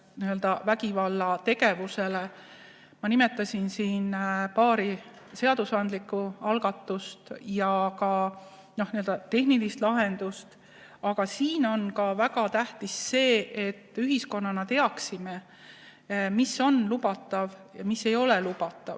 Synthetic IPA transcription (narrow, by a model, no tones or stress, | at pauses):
niøld̪ɑvækivɑlːɑt̪e̞ɡe̞vuse̞le | mɑnimet̪ːˑɑsʲinsiːnpɑːɾi | se̞ɑd̪usɑnd̪likːˑuɑlɡ̥ɑt̪ːˑust̪jɑkɑ | no̞hniøld̪ɑt̪e̞ɦnilist̪lɑɦe̞nd̪̥ust̪ | ɑɡɑsiːno̞nkɑvæɡɑt̪æht̪isːe̞ːʔe̞t̪ːˑyɦisko̞nːɑnɑt̪e̞ɑksime | misːo̞nlubɑt̪ːˑɑvjɑmisːe̞jo̞lelub̥ɑt̪ːˑɑ̰v